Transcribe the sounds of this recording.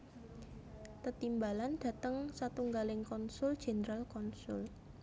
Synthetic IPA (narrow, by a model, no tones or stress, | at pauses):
t̪ət̪imbalanɖ̥ä̤t̪əŋsat̪uŋɡalɪŋkɔnsʊld̥ʒ̥ɛ̤nəɾalkɔnsʊl